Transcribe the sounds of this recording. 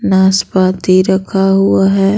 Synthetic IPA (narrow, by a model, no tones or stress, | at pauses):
naːspaːt̪iɾɐkʰaɦʊaɦɛː